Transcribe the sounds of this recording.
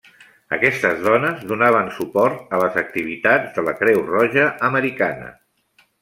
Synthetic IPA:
ə̰kɛst̪əzðɔnəzðunaβ̞ənsupɔɾt̪ələzək̚t̪iβ̞it̪ad͡zðələkɾɛwrɔʒəʔəməɾikanə̰

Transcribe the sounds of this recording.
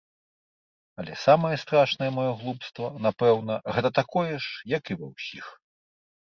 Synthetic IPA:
ɐlʲɛ̰samɐjɛst̪ɾaʂnɐjɛmɔjɔɣlˠupst̪vɐnapɛwnɐɣɛt̪ɐt̪akɔjɛʂjɐkivɐ̰wsʲix

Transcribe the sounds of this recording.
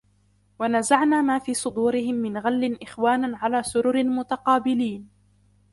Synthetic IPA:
wanazaʕnaːmaːfiːsˤʊd̪uːɾɪhɪmːɪnɣalːɪnʔɪxwaːnanʕalaːsʊɾʊɾɪlmʊt̪ɑqɑːbɪliːn

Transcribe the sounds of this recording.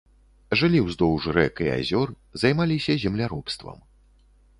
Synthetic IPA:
ʐɨlʲiwzd̪ɔwʐɾɛkia̰zʲɔr | zajmalʲisʲɐzʲɛmlʲaɾɔpst̪vɐ̰m

